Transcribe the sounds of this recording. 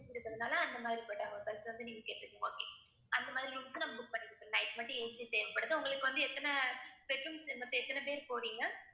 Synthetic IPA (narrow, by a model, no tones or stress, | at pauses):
ɪɾɯkːɾɐðɐnaːlɐɐnd̪ɐmaːðɾipɐːʈːaːŋɐpɐsʋɐnd̪ɯnɪŋɡɐkeːʈːɪɾɯkːẽŋɡo̰ːkeː | ʔɐnd̪ɐmaːðɪɾilʊmsanɐmːɐbʊk̚pɐɳːɪɯʈ̪ːɯnɐɪʈmɐʈːɯ̃eːsit̪eːʋɐpɐɽɐðɯʊŋɡɐɭɯkːɯʋɐnd̪ɯɛt̪ːɐnɐpɛfɐmsmɐt̪ːɐ̃ɛt̪ːɐnɐpeːɾpoːɾiːŋɡɐ